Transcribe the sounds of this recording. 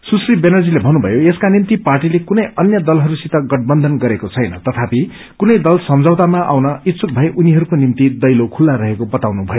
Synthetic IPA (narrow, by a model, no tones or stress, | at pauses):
susribenʌrd͡zilebʱʌnːubʱʌjoeskanimt̪iparʈilekunʌjʔʌnjʌd̪ʌlɦʌɾusit̪ʌɡʌʈ̚bʌnd̪ʱʌnɡʌɾekot͡sʰʌjnʌ̰t̪ʌt̪ʰapi | kunʌjd̪ʌlsʌmd͡zʱawt̪amaʔa̰wnʌit̪suk̚bʱʌeʔuniɦʌɾukonimt̪id̪ʌjlokʰulːaɾʌɦekobʌt̪awnubʱʌjo